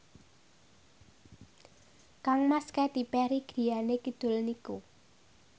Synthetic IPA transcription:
kaŋmaskɛt̪ipɛɾiɡ̥ɾi̤janekid̪̥ʊ̤lniku

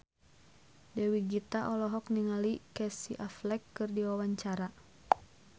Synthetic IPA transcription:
dɛwiɡit̪aʔɔlɔɦɔkniŋalikɛsiʔaflɛkːɨrdiwawaɲt͡ʃaɾa

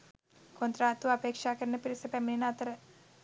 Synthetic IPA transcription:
kont̪ɾaːt̪uɐpeːkʂaːkɐɾnɐpiɾisɐpɛmlinat̪ɐɾɐ

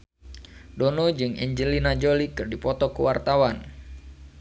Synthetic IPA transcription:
donod͡ʒɨŋɛ̰ɲd͡ʒəlinad͡ʒolikɨrdipɔt̪ɔkuwart̪awan

